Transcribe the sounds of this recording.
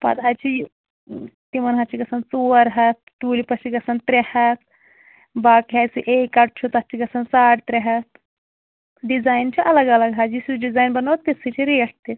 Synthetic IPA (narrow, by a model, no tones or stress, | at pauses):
pɐ̰t̪ɦat͡ʃi | t̪imɐnɦɐt͡ʃiɡɐsɐnt͡soːɾɦɐt̪ːuːlipɐt͡ʃiɡɐsɐnt̪ɾehɐt̪ | baːkiɦajsiʔeːkɐʈ̚t͡ʃʰut̪ɐt͡ʃiɡɐsɐnsaːʈt̪ɾeɦɐt̪ | ɖizaːjnt͡ʃʰiʔɐlɐɡɐlɐɡɦaːd͡ʒisuɖizaːjnbɐnɐːt̪ːesʰɨt͡ʃʰiɾiːʈʰt̪i